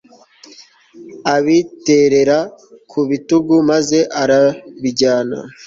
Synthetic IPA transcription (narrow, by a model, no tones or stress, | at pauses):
aβite̞ɾe̞ɾakʰuβituɡumaze̞ʔaɾaβiɟaːna̰